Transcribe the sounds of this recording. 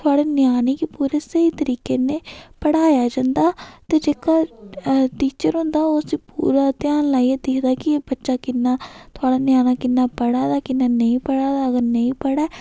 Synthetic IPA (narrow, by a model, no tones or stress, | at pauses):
t̪ʰʊaːɽeːnjaːneːkipuːɾeːsəiːt̪əɾiːkeːnẽːpəɽaːjaːd͡ʒãːnd̪aːt̪eːd͡ʒeːkaː | ʈiːt͡ʃəɾɦʊ̃nd̪aːoːəsĩːpṵːɾaːt̪ɪjaːnlaːied̪eːkʰd̪aːkɪbətːʃaːkɪnːaːt̪ʰʊaːɽaːnɪjaːnaːkɪnːaːpəɽaːd̪aːkɪnːaːnəĩːpəɽaːd̪aəɡəɾnəĩːpəɽaː